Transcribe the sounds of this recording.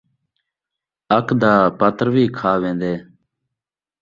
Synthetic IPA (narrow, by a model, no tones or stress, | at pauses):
əkd̪aːpət̪ɾʋiːkʰaːʋẽːnd̪eː